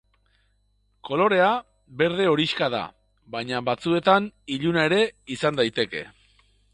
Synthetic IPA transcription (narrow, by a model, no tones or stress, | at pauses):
ko̞lo̞ɾe̞a | be̞ɾð̞e̞o̞ɾiʃkað̞a̰ | βajɲaβat͡sue̞t̪aniʎunae̞ɾe̞isand̪ajt̪e̞ke̞̰